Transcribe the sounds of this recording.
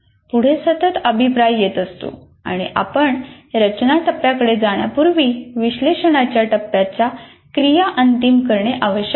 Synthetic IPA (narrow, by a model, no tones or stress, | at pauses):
puɽ̤esət̪ət̪əbʱipɾajjet̪əst̪o̰ | a̰ɽ̃iʔa̰pəɳ | ɾət͡ɕnaʈəpːjakəɽed͡zaɽ̃japuɾʋiːʋiɕleɕəɳat͡ɕjaʈəpːjat͡ɕja | kɾijaʔənt̪imkəɾɳeʔaʋəɕjək